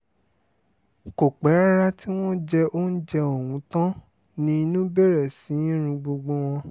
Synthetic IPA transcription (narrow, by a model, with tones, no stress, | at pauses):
ko˨k͡pɛ˨˦ɾa˦ɾa˦ti˦w̃ɔ̃˦d͡ʒɛ˧o˦n̩˦d͡ʒɛ˧o˨wũ˨˦tã˦ | nĩ˧˦i˧nũ˦be˦˨ɾɛ˦˨sĩ˨˦ĩ˦ɾ̃ũ˧˦ɡ͡bo˧ɡ͡bo˧w̃ɔ̃˧